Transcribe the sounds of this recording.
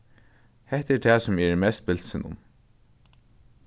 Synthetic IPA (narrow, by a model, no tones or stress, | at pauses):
hɛht̪ɛɾt̪ʰɛːsʊmɛɹmɛst̪̚bɪl̥sɪnʊ̰m